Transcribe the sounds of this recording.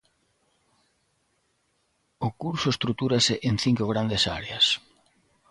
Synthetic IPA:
ʊkuɾsʊest̪ɾut̪uɾaseʔenθiŋkoɣ̞ɾand̪esa̰ɾeas

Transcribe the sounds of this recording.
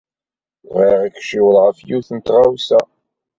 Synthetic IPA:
vʁiʁikʃɪwəlʁəfjuθənt̪ʁawsæ

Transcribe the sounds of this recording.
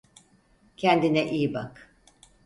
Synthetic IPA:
cʰɛnd̪inɛʔiːbak

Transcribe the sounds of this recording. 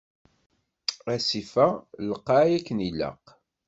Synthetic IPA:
æsifæləqːaʕjækːənilːə̰q

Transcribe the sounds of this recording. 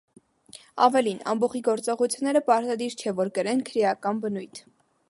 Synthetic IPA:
ɑ̰vɛlinɑ̰mbɔχiɡɔɾt͡sɔʁut͡sʰjunːɛɾəpɑɾt̪ɑd̪iɾt͡ʃʰɛvɔɾkəɾɛnkʰəɾjɑkɑnbənujt̪ʰ

